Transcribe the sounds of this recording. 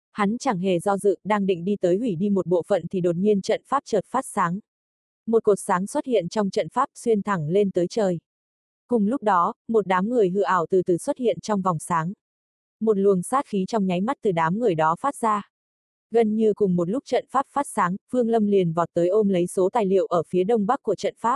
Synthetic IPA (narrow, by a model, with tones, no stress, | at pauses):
ha˨˦nt͡ɕaː˧˩ŋɦḛ˧˩zɔ˧zɨ̰˧˨ɗaː˧ŋɗḭ˧˨ŋ̟ɗi˧t̪əː˨˦jhwi˧˩ɗi˧mo˨˩t̚ɓo̰˧˨fə̰˧˨nt̪ʰi˨˩ɗo˨˩t̚ɲi˧ənt͡ɕə̰˧˨nfaː˦˥p̚t͡ɕəː˨˩t̚faː˦˥t̚saː˨˦ŋ | mo˨˩t̚ku˨˩k̚saː˨˦ŋswə˦˥t̚hḭ˧˨ənt͡ɕɔ˧wŋ͡mt͡ɕə̰˧˨nfaː˦˥p̚swi˧ənt̪ʰa˨˧˩ŋle˧nt̪əː˨˦jt͡ɕəː˨˩j | kʊ˨˩ŋ͡mlʊ˦˥k͡p̚ɗɔ˨˦mo˨˩t̚ɗaː˨˦mŋɨ˨˩əjɦɨ̰˧˨ʔaː˧˩wt̪ɨ˨˩t̪ɨ˨˩swə˦˥t̚hḭ˧˨ənt͡ɕɔ˧wŋ͡mvɔ˨˩wŋ͡msaː˨˦ŋ | mo˨˩t̚lu˨˩əŋsaː˦˥t̚xi˨˦t͡ɕɔ˧wŋ͡mɲa˨˦jma˦˥t̚t̪ɨ˨˩ɗaː˨˦mŋɨ˨˩əjɗɔ˨˦faː˦˥t̚zaː˧ | ɣə˧nɲɨ˧kʊ˨˩ŋ͡mmo˨˩t̬̚lʊ˦˥k͡p̚t͡ɕə̰˧˨nfaː˦˥p̚faː˦˥t̚saː˨˦ŋvɨ˧əŋlə˧mli˨˩ənvɔ˨˩t̚t̪əː˨˦jʔo˧nlə˨˦jso˨˦t̪aː˨˩jlḭ˧˨əwʔəː˧˩fi˨˦əɗə˧wŋ͡mɓa˦˥kːu˧˩ət͡ɕə̰˧˨nfaː˦˥p̚